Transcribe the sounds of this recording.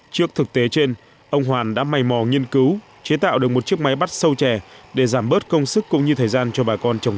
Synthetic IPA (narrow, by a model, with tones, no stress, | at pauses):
t͡ɕɨ˦˥ək̚t̪ʰɨ˨˩k̚t̪e˨˦t͡ɕe˧n | ʔə˧wŋ͡mɦwaː˨˩nɗa̰ː˧˥ma˨˩jmɔ˨˩ŋi˧ənkɨ˨˦w | t͡ɕe˨˦t̪a̰ː˧˨wɗɨ˨˩ək̚mo˨˩t̚t͡ɕi˦˥ək̚ma˨˦jɓa˦˥t̚sə˧wt͡ɕɛ˧˩ɗe˧˩zaː˧˩mɓəː˦˥t̚kə˧wŋ͡msɨ˦˥kːʊ̰˧˥ŋ͡mɲɨ˧t̪ʰəː˨˩jzaː˧nt͡ɕɔ˧ɓaː˨˩kɔ˧nt͡ɕə˨˩wŋ͡m